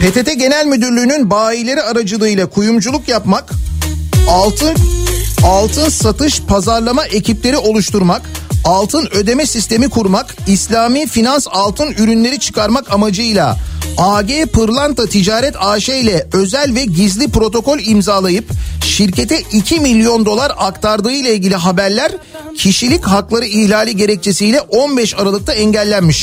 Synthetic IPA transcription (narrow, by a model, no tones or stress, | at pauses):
pʰe̞t̪ʰe̞t̪ʰɛɟe̞nælʲmyd̪yɾlʲyːnynbaːilʲe̞ɾiaɾad͡ʒɯlˠɯjlˠakʰujumd͡ʒulˠukjapmak | t̪ʰɯn | alˠt̪ʰɯnsat̪ɯʃpʰazaɾlˠamaʔe̞cʰiplʲe̞ɾio̞lˠuʃt̪uɾmakalˠt̪ʰɯnø̞d̪e̞mɛsist̪e̞mikʰuɾmakislʲaːmiːfinansalˠt̪ʰɯnyɾynlʲe̞ɾit͡ʃʰɯ̥kʰaɾmakamad͡ʒɯjlˠa̰aːɟeːpɯɾlˠant̪at̪ʰid͡ʒaːɾɛt̪ʰaːʃejlʲɛø̞zælʲvɛɟizlʲipɾo̞t̪ʰo̞ko̞lʲimzaːlˠajɯpʃiɾcʰe̞t̪ʰɛʔicʰimilʲːjo̞nd̪o̞lˠaɾakt̪ʰaɾd̪ɯːjlˠailʲɟʲilʲiɦabæɾlʲæɾ | cʰiʃilʲicɦaklˠaɾɯihlʲaːlʲiɟe̞ɾɛc̚t͡ʃʰe̞sijlʲɛʔo̞nbɛʃaɾalˠɯk̚t̪ʰaɛɲɟælʲːænmiʃ